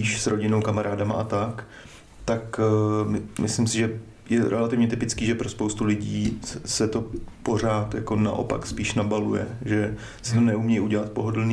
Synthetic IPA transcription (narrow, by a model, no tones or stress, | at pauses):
iːʃsɾo̞ɟɪnowkamaɾaːdama̰ʔat̪ak | t̪ak | mʔɪslɪmsɪʒɛ | jɛɾʔɛ̰lat̪ɪvɲɛt̪ɪpɪt͡skiːʒɛpɾo̞spowst̪ulɪɟiːsɛt̪o̞po̞r̝aːt̪jako̞na̰ʔo̞̰pa̰kspiːʃnabalujɛ̰ʒɛ | sɪt̪onɛumɲɛjʔuɟɛlat̪̚po̞ɦodl̩ni